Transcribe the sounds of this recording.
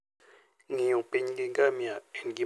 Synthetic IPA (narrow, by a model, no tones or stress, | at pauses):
ŋijũpeɲɡiŋɡamiaŋɡi